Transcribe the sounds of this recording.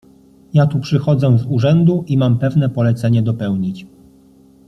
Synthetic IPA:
jat̪upʂɘxɔd̪zɛzuʐɛnd̪uʔimampɛvnɛpɔlɛt̪sɛɲɛd̪ɔpɛwɲit͡ɕ

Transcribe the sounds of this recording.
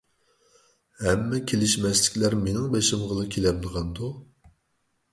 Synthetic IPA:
hɛmːɛkʲʰelɪʃmɛslɪ̥kʲlæɾmenɪŋbeʃɪmʁəlˠɨkʲʰelɛmlˠəʁɑnd̪u

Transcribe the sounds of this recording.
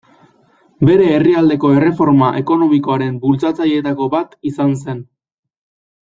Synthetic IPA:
be̞ɾe̞ːriald̪e̞ko̞e̞re̞fo̞ɾmaʔe̞ko̞no̞miko̞aɾe̞mbult͡sat͡saje̞t̪ako̞βat̪isanse̞n

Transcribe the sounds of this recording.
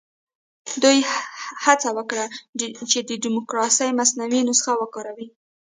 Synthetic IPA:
d̪ujhat͡sawəkɽat͡ʃed̪əɖɪmʊkɾɑsəjmasnawinosə̥xawəkɑɾawi

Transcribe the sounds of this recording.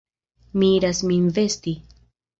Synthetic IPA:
miiɾasminve̞sti

